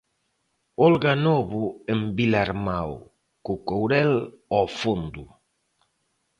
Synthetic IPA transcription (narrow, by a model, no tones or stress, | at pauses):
ɔlɡanɔβʊembilaɾmaw | kukowɾɛlɔfond̪u